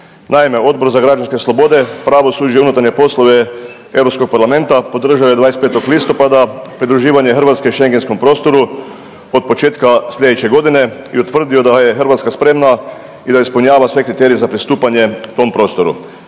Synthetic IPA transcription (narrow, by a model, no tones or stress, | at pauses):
nʔaime̞o̞d̪̚bo̞ɾzaɡɾad͡ʒanske̞slˠo̞bo̞d̪e̞pɾaʋo̞suːd͡ʒiunut̪aɾɲe̞po̞slˠoʋe | e̞wɾo̞psko̞k̚paɾlame̞nt̪apo̞d̪r̩ʒaojed̪aːest̪peːt̪o̞klist̪o̞pad̪apɾid̪ɾuʒiːʋaɲexər̩ʋat̪skeiʃeŋɡensko̞mpɾo̞ːst̪o̞ɾu | ot̪̚po̞t͡ʃeːt̪kasʎʲe̞d̪et͡ʃeɡo̞d̪ine̞iut̪ʋr̩d̪iod̪ajexər̩ʋat̪skaspɾe̞mna | id̪aispolɲaːʋasʋe̞kɾit̪eɾijezapɾist̪uːpaɲe̞t̪o̞mpɾo̞ːst̪o̞ɾṵ